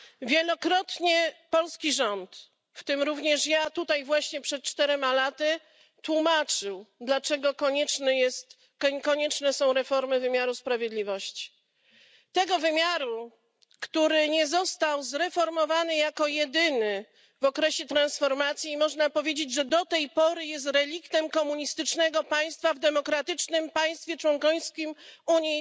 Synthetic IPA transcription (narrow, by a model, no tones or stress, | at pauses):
vʲjɛlɔkɾɔt̪ɲɛpɔlskʲiʐɔnt̪ | ft̪ɘmɾuvɲɛʂjat̪ut̪ajvwaɕɲɛpʂɛt̪̚t͡ʂt̪ɛɾɛmalat̪ɘ | t̪wumat͡ʂɘwd̪lat͡ʂɛɡɔkɔɲɛnjɛst̪ | kɔɲɛt͡ʂnɛsɔ̃w̃ɾɛfɔɾmɘvɘmʲjaɾuspɾavʲjed̪lʲivɔɕt͡ɕi̥ | t̪ɛɡɔvɘmʲjaɾu | kt̪uɾɘɲɛzɔst̪awzɾɛfɔɾmɔvanɘjakɔjɛd̪ɘnɘ | vɔkɾɛɕɛt̪ɾãnsfɔɾmat̪sʲjimɔʐnapɔvʲjed͡ʑed͡ʑʐɛd̪ɔt̪ɛjpɔɾɘjɛs̬t̪ɾɛlʲikt̪ɛmkɔmuɲist̪ɘt͡ʂnɛɡɔpaj̃st̪favd̪ɛmɔkɾat̪ɘt͡ʂnɘmpaj̃st̪fʲjɛt͡ʂwɔŋkɔjskʲimuɲi